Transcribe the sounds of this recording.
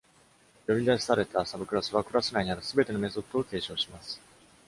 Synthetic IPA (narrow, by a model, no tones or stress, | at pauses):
jo̞ɾʲid̪aɕi̥saɾe̞t̪asabɯ̟kɯ̟ɾasɨβakɯ̟ɾasɨnaiɲ̟iaɾɯ̟sɨbe̞t̪e̞nome̞so̞t̪ːo̞ːke̞ːɕo̞ːɕimasɨ̥